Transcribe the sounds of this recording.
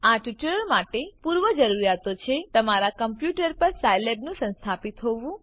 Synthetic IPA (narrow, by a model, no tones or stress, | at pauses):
aʈiʈəɭəɭmaʈepuɾʋəd͡ʒəɾuɾjat̪ot͡ʃʰet̪əmaɾakəmpjuʈəɾpəɾsajlebnũsə̃nst̪ʰapit̪ɦoʋũ